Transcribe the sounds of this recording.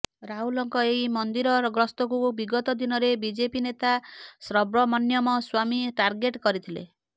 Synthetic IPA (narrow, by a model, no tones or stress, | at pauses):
ɾaɦulɔŋkɔeɦimɔnd̪iɾɔɾɡɾɔst̪ɔkubiɡɔt̪ɔd̪inɔɾebid͡ʒepinet̪asɾɔbɾɔmɔnjɔmɔswamiʈaɾɡeʈkɔɾit̪ʰilḛ